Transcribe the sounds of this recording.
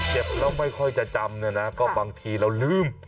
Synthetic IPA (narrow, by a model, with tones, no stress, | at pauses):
t͡ɕe˨˩p̚ɾa˧˥˩wma˥˩jkʰɔ˥˩jt͡ɕa˨˩t͡ɕa˧mnɯ˧˩na˦˥kɔː˥˩baː˧ŋt̪ʰiː˧ɾa˧wlɯː˥˩m